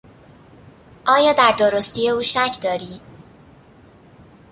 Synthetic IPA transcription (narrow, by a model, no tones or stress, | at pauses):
ʔɒːjɒːd̪æɾd̪oɾost̪ije̞uːʃæcʰd̪ɒːɾiː